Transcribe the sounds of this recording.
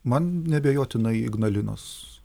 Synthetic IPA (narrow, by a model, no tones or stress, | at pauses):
mɐnnʲɛbʲeːjoːt̪ʲɪnɐɪɪ̰ɡnɐlʲɪno̰ːs